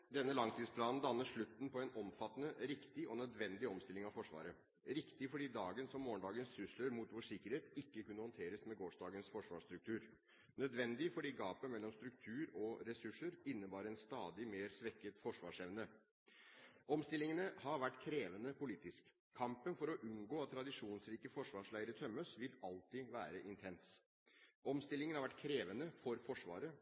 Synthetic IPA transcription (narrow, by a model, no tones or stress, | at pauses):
d̪ɛnːəlɑŋt̪ʰiːspʰlɑːnn̩d̪ɑnːəʂɭʉt̪n̩pʰɔɛnʔɔmfɑt̪ːənəɾɪkt̪ɪʔɔnœd̪ʋɛnd̪ɪɔmst̪ɪlɪŋɑʋfɔʂʋɑ̰ːɾə | ɾɪkt̪ɪfɔɖiːd̪ɑːɡənsɔmːoːɳɖ̪ɑːɡənssʉsləɾmuːt̪ʋoʂɪkːəɾheːt̪ɪkːəkʉnəhɔnt̪ʰeːɾəsmɛɡoːʂdɑːɡənsfɔʂʋɑːʂt̪ɾʉk̚t̪ʰʉːɾ | nœd̪ʋɛnd̪ɪfɔɖiːɡɑːpəmɛlːɔmst̪ɾʉk̚t̪ʰʉːɾɔɾɛsʉʂəɾɪnːəbɑːɾəɛnst̪ɑːd̪ɪmeːɾsʋɛkːət̪fɔʂʋɑːʂɛʋnə | ɔmst̪ɪlɪŋənəhɑɾʋæʈːkʰɾeːʋənəpʰʊliːt̪ɪskʰː | ɑmpənfɔɾɔʔʉnɡoːɑt̪ʰːɾɑd̪ɪʂuːnsɾiːkəfɔʂʋɑːʂɭæɪəɾət̪ʰœmːəsʋɪlɑlt̪ɪʋæːɾəʔɪnt̪ʰɛns | ɔmst̪ɪlːɪŋən̩hɑɾʋæʈkʰɾeːʋənəfɔɾfɔʂʋɑ̰ːɾə